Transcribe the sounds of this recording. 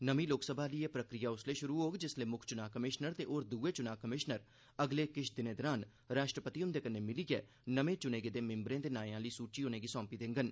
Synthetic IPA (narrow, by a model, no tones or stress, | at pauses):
nəmĩːloːksəbʱaːliːeːpɾəkɾɪjaːʊsleːʃʊɾuːɦoːɡd͡ʒɪsleːmʊkʰt͡ʃʊnaːkəmɪʃnəɾt̪eːʔoːɾd̪uːeːt͡ʃʊnaːkəmɪʃnəɾ | əɡleːkɪt͡ʃʰd̪ɪnẽːd̪əɾaːn | ɾaːʃʈɾəpət̪iʊnd̪eːkənːeːmɪliːɡɛː | nəʋẽːt͡ʃʊneːɡed̪eːmɪ̃mbɾẽːt̪eːnaːjãːliːsuːt͡ʃiːoːneːɡiːsɔ̃ːmpiːd̪ẽːŋɡən